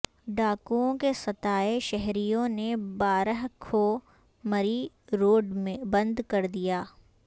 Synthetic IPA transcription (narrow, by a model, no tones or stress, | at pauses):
ɖaːkuõkesɐt̪aːeʃɛɦɾijõnebaːɾəɦkʰo | mɐɾi | ɾoːɖmẽbɐ̃nd̪kɐɾd̪ijaː